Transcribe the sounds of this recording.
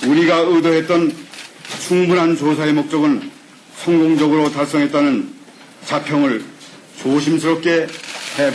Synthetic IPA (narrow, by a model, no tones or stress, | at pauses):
uɾiɡaɯdoɦe̞t̚t͈ʌn | t͡ɕʰuŋbunɦant͡ɕosʰaemok̚t͡ɕ͈ʌɡɯn | sʰʌŋɡoŋd͡ʑʌɡɯɾotaɭs͈ʌŋɦe̞t̚t͈anɯn | t͡ɕapʰjʌŋɯɭ | t͡ɕoɕʰimsʰɯɾop̚k͈e̞he